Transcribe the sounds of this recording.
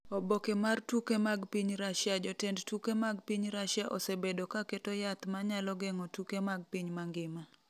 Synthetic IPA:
obokemartukemaɡpiɲɾaʃjad͡ʒɔtɛndtukemaɡpiɲɾaʃjaʔɔsebedokaketojat̪maɲalɔɡɛŋɔtukemaɡ̚piɲmaŋɡɪma

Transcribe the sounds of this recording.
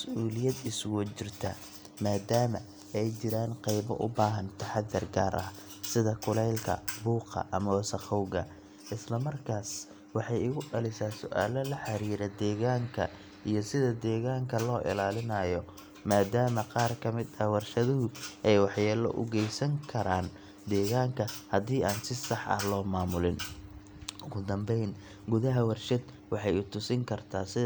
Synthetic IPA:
mɐsʔuːlɪjɐd̪ɪswɔt͡ʃɪrt̪ʰɐ | maːd̪aːmɐ̰ | ɛjt͡ʃɪɾaːnqɑjβɔ̰ʔʊ̰baːɦɐnt̪ʰɐħɑd̪ːɐrɡa̰ːɾʔɐ̰h | sɪðɐkʰʊlɛjlkʰɐ̰buːqɐ̰ʔɐmɐwsɐχɔwɣɐ̰ | ʔɪslɐmɐrkʰaːs | wɑħɑjɪɣʊɖɐlɪsaːsʊʔa̰ːlɐlɐħɑɾiːɾɛd̪ɛːɣaːŋkʰɐ̰ | ʔijɔsɪðɐd̪ɛːɣaːŋkʰɐlɔːʔɪ̰laːlɪnɐːjɔ | maːd̪aːmɐqɑːrkʰɐmɪd̪ɐwɑrʃɐðʊɦʊʔɛjwɑħjaːlɔ̰ʔʊ̰ɡɛjsɐŋkʰɐɾaːn | d̪ɛːɣaːŋkʰɐhɐðiːaːnsɪsɑħʔɐ̰hlɔːmaːmʊlɪn | ʔʊɣʊd̪ɐmbɛjn | ɡʊðɐɦɐwɑrʃɐd̪ | wɑħɑjʊt̪ʰʊsɪŋkʰɐrt̪ʰaːsɪð

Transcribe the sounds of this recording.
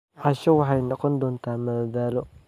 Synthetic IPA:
ʔɑʃɐwɑħɑjnɔqɔnd̪ɔːnt̪ʰaːmɐðɐðaːlɔ

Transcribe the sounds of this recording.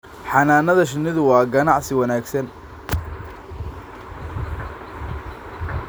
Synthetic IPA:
ħɑnaːnɐðɐʃ̬ɪnːɪðʊwɑːɡɐnɑʕsɪwɑnaːɡsɐn

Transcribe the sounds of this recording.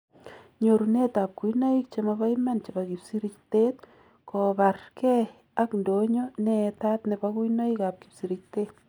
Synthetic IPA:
ɲoɾunet̪ap̚kujnoik̚t͡ʃemaβajmant͡ʃebakipsiɾikt̪et̪̚ | kɔbarkɛ | akndoɲonɛt̪at̪nebakujnoikap̚kipsiɾik̚t̪et̪̚

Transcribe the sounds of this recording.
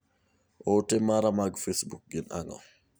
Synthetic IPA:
ʔɔtɛmaɾamaɡfesbuk̚ɡina̰ŋɔ̰

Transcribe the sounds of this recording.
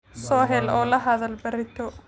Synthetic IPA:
sɔːɦɛlɔːlɐɦɐðɐlbɐrɪt̪ʰɔ

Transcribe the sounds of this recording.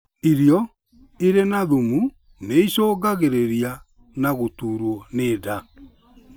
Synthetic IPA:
iɾjɔ | iɾenaðumu | neisoːɡaɣeɾeɾja | naɣotuːɾwɔneːda

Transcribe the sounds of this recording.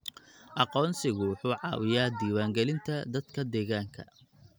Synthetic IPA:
ʔɑqɔːnsɪɣʊwʊħuːʕɑ̰ːwɪjaːd̪iːwaːŋɡɛlɪnt̪ʰɐd̪ɐd̪kʰɐd̪ɛːɣaːŋkʰɐ̰

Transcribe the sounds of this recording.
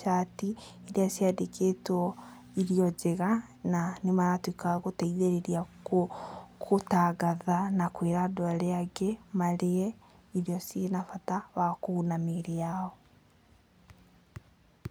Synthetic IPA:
ʃati | eɾeasiadekʰeːtɔ | iɾiɔd͡ʒeɣa | nanemaɾatwikaɣotɛiðeɾeɾiakokʰotaɡaðanakweɾadoaɾeaɡɛmaɾeɛ | iɾiɔsienafatawakuːnameɾejaɔ

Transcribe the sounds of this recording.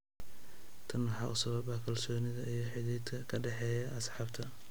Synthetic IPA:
t̪ʰɐnwɑħɑːʔʊsɐβɐbɐkʰɐlsɔːnɪðɐijɞħɪðɛːd̪kʰɐkʰɐɖɛħɛːjɐʔɐsħɑːbt̪ʰɐ

